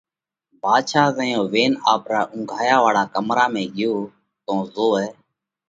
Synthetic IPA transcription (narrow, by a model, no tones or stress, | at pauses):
baːd̪ʃaːzəjõːʋeːnaːpɾaːʔʊ̃ŋɡʱaːjaːʋaːɭaːkəmɾaːmẽːɡɪjoː | t̪õːzoːɛː